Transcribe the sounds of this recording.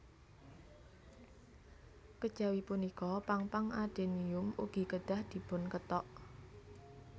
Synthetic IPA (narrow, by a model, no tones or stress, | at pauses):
kəd̥ʒ̥awipunikɔpaŋpaŋaɖ̪̥e̤niʊmṵɡ̥i̤kəɖ̪̥a̤hd̪̥i̤pʊnkət̪ɔʔ